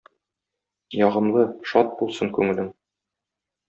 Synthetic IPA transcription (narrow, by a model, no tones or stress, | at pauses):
jɒʁɤ̆mlˠɤʃɒt̪̚bulˠsɤŋkʉŋɘ̆lɘŋ